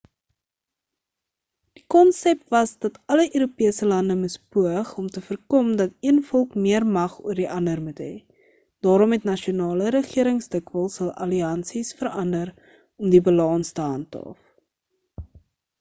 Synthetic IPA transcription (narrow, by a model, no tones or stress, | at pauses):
d̥ikɔnsɛp̚tvɐsdɐtɐləʔøːɾupiəsəlɐndəməspuəχɔmtəfərkɔmdɐtiənfɔlˠkmiərmɐχṵərdiʔɐndərmutɦɛː | d̥ɑːɾɔmɦɛtnɐʃiunɑːləɾəχiəɾəŋsdəkvəlˠsɐlˠʔɐ̰liɐnsisfəɾɐndər | ɔmdibəlɑːnstəɦɐntɑ̰f